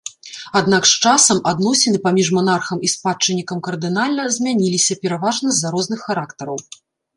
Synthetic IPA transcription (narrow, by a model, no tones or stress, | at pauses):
ad̪nakʂt͡ʂasɐmad̪nɔsʲɪnɨpamʲiʐmanarxɐmispat͡ʂːɨnʲːikɐmkɐrd̪ɨnalʲnɐzʲmʲanʲilʲisʲɐpʲɛɾavaʐnɐzʲːaɾɔzn̪ɨxːaɾakt̪ɐɾɐw